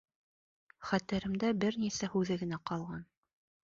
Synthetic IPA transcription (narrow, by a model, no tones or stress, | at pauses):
χæt̪ɘɾɘ̆md̪æbɘɾnisæhʉðɘɡɘ̆næqɑlˠʁɑn